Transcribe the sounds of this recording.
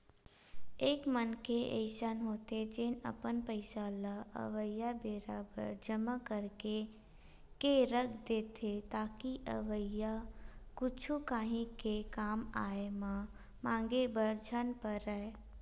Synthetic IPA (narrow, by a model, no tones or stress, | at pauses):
eːkmənkeʔḛɪʃənɦoːt̪ed͡ʒeːnə̰pənpəɪsalaə̰ʋəjabeɾaːbə̰ɾd͡ʒəmakəɾke | keɾəkʰd̪eːt̪ʰet̪aːkiʔə̰ʋəjakʊt͡ʃʰukaːɦĩkekaːmaːema | mãːŋɡebəɾd͡ʒʱənpəɾəe